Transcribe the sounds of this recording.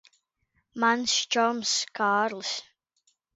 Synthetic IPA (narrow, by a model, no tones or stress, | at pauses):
manst͡ʃɔmskʰaːɹls